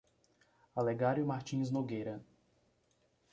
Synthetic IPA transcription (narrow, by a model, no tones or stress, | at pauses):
aleɡaɾjʊmaɾt͡ʃĩznoɡejɾɐ